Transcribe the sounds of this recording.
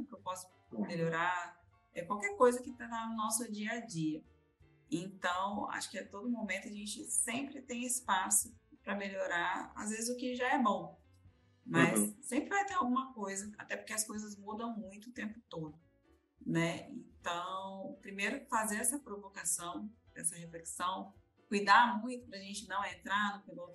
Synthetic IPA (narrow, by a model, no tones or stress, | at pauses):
kewpɔsʊ̥ | meʎoɾaɾ | ɛkwawkɛɾkojzɐkɪt̪at̪anʊnɔsʊd͡ʒiɐd͡ʒiɐ | ẽt̪ɐ̃w̃a̰ʃʊ̥kɪɛt̪od̪ʊmõmẽt̪ʊɐʒẽt͡ʃɪsẽpɾɪt̪ẽj̃ɪspasʊpɾɐmeʎoɾaɾa̰zvezɪzʊkɪʒaɛbõw̃ | mɐsːẽmpɾɪvajt̪eɾawɡũmɐkojzɐa̰t̪ɛpʊɾkeɐskojzɐzmud̪ɐ̃w̃mũj̃t̪ʊːt̪ẽmpʊt̪od̪ʊ | nɛḛ̃t̪ɐ̃w̃pɾimejɾʊfazeɾɛsɐpɾovokasɐ̃w̃ɛ̰sɐhefleksɐ̃w̃ | kujd̪aɾmũj̃t̪ʊ̥pɾɐʒẽnt͡ʃɪnɐ̃w̃ẽnt̪ɾaɾnɐ̃pelowt̪